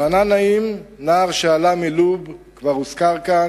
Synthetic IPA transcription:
ananaimnaːʁʃealamilubkvaʁuskaʁka

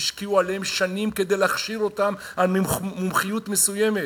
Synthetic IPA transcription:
iʃkiualeemʃanimke̞d̪e̞jlaχʃiɾo̞tam | almumχijutme̞suje̞me̞

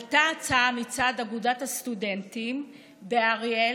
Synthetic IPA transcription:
taat͡saamit͡sadaɡudathastude̞ntim | beaʁe

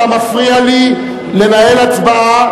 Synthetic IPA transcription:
amafʁiali | le̞naelat͡sbaa

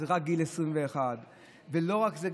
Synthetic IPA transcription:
ʁak̚ɡilesʁimveːχad̪ | velo̞ʁakzeɡ

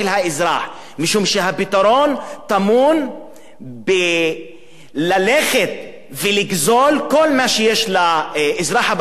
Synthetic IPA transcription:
elhaezɾaħ | miʃumʃeɦapit̪aɾo̞nt̪amun | be | laleχet̪̚ | veliɡzolko̞lmaʃejeʃlaezʁaħab

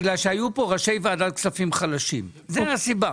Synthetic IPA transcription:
ɡlalʃeajupo̞ʁaʃe̞jvaadatksafimχalaʃim | zeasiba

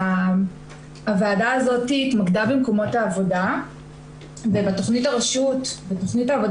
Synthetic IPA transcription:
a | avaːdaːzo̞tiːtmaɡdabimko̞mo̞thaːvo̞da | vebato̞χnitaʁeʃutbeto̞χnitaːvo

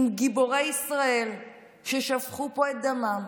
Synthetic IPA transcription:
mɡibo̞ʁejisʁae̞l | ʃeʃavχupo̞et̪̚d̪amam

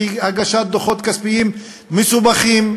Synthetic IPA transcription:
aɡaʃat̪̚d̪oχot̪kaspijimː | esubaχim

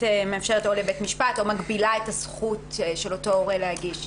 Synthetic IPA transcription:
emeafʃeʁetolebetmiʃpato̞maɡbilaetasχutʃelo̞to̞oʁelehaɡiʃ

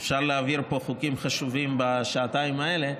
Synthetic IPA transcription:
fʃaʁleaviʁpo̞χukimχaʃuvimbaʃaːt̪aimae̞le̞

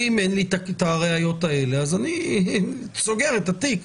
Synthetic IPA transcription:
imenlit̪akt̪aʁeajo̞t̪ae̞le̞azani | t͡so̞ɡe̞ʁet̪at̪ik

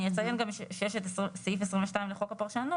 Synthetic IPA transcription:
ijet͡sajenɡamiʃʃeʃet̪essifesʁĩmveʃtaimleχo̞kapaʁʃanu

